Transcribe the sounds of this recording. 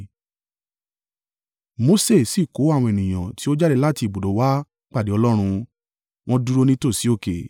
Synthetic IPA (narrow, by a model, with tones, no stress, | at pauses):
mo˧˦se˦˨si˦˨ko˨˦a˦˨w̃ɔ̃˧e˨nĩ˨j̃ã̰˨ti˨˦o˦d͡ʒa˦ɾɛ˧la˦ti˧˨bo˨do˨˦wa˦ | k͡pa˦˨de˨˦ɔ˧lɔ˦ɾ̃ũ˧ | w̃ɔ̃˦du˦ɾo˦nĩ˦to˦˨si˨˦o˦˨kḛ˨